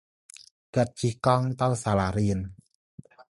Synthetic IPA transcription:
kat̪̚t͡ɕʰikɔŋt̪awsalaːɾiən

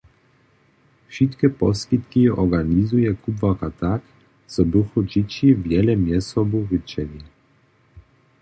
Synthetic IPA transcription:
fʃit̪kɛpɔskit̪kiʔɔɡanizujɛkubvakat̪ak | t͡sɔbuxɔd͡ʑit͡ɕivjɛlɛmjɛsɔbuvɘt͡ɕɛlʲi

